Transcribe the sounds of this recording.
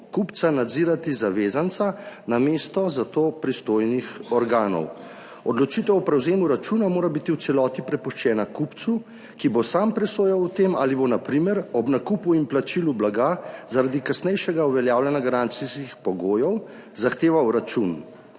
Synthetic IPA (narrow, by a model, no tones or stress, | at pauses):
kupt̪sanad̪ziːɾat̪izaʋeːzant̪sanameːst̪ɔzat̪opɾist̪oːjnixɔɾɡaːnɔ̰w | ɔd̪lɔt͡ʃiːt̪ɛwɔpɾɛwzeːmuɾat͡ʃunamoːɾabit̪iwt̪sɛlɔːt̪ipɾɛpuʃt͡ʃɛːnakupt̪su | kibosaːmpɾɛsoːjawut̪eːma̰libonapɾimɛɾɔbnakupuimplat͡ʃilublaɡazaɾad̪ikasnɛjʃɛɡauʋɛljaːwlʲɛnaɡaɾant̪siskixpɔɡoːjɔw | zaxt̪eːʋawɾat͡ʃun